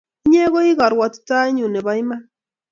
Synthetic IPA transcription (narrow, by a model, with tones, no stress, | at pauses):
i˦ɲe˦ɣɔ˦i˦ɣa˨ɾwa˨tta˦ɲu˨nɛ˨βa˨˦jma˦